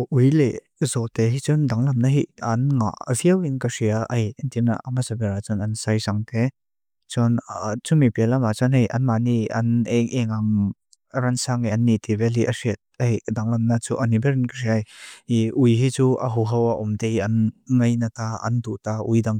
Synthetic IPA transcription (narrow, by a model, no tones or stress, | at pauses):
ʔujle | zɔt̪eɦit͡sɔndaŋlɐmnaɦiɐnŋa̰viɐwinkasiaʔɐjnt̪ina̰ʔamasabɛɾat͡sɔnɐnsajzaŋt̪e | t͡sɔnt͡sumipɛlamat͡sɔnɦejʔɐnmaniɐ̰nɛŋʔɛŋaŋ | ɾansaŋiʔɐnːit̪ibɛlɦiʔɐsit̪̚ejdaŋlɐmnat͡suʔɐnibɛɾinkɐsiajiʔujɦit͡suʔɐ̰ɦuɦɐwaʔumt̪ejɐnŋɐjnat̪aɐ̰nd̪uʔt̪aʔujdaŋ